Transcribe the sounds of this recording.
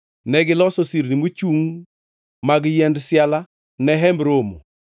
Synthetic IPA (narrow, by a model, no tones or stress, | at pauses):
nɛɡɪlɔsɔsiɾnimot͡ʃuŋ | maɡjɛndsjala | nɛɦɛmɾomo̰